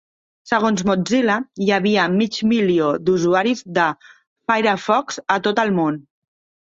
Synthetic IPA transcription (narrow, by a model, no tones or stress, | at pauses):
səɣ̞onzmod͡ziləjəβiəmid͡ʒmiliod̪uzuaɾizðə | fajɾafɔkzət̪ot̪əlˠmon